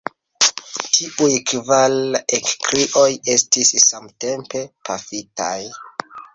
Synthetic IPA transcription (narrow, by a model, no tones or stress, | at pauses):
tʰiʔujkvalekkʰɾiʔo̞je̞stisːamte̞mpe̞pʰafita̰j